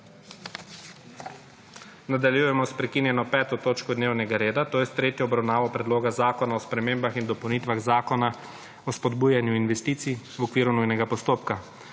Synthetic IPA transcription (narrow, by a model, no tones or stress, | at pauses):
nad̪aljujɛmɔspɾɛkinjɛnɔpɛːt̪ɔt̪oːt͡ʃkɔd̪neːwnɛɡaɾeːd̪at̪oːjɛst̪ɾeːt̪jɔːbɾawnaːʋɔpɾɛd̪loːɡazaːkɔnaɔspɾɛmeːmbaxind̪ɔpɐwnit̪ʋaɣzaːkɔna | ɔspɔd̪buːjanjuinʋɛst̪iːt̪si | wɔkʋiːɾunujnɛɡapɔst̪oːpka